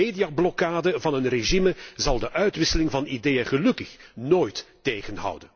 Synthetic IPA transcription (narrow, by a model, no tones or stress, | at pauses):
eːdijablɔkaːdəvɑnənreʒiməzɑlˠdəʔœɥtʋɪsəlɪŋvɑnideːjəɣəlɵkəxnoːjtː | eːjɣənɦɑ̰wdən